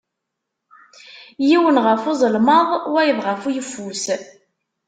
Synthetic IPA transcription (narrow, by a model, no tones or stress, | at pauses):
jiwənʁəfozˤəlməðˤwæjəðˤʁəfujəfːus